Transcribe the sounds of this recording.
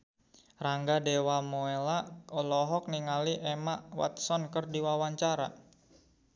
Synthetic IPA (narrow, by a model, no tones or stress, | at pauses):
raŋɡadewamoelaɔlɔɦɔk̚niŋaliʔemaʔwa̰t̪̚sɔnkərdiwawaɲt͡ʃaɾa̰